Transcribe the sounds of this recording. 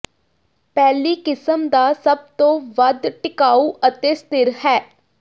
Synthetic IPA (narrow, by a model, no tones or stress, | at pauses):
pɛːliːkɪsəmd̪aːsəb̚t̪õːʋəd̪ʈɪkaːuːʔət̪eːst̪ɪɾhɛː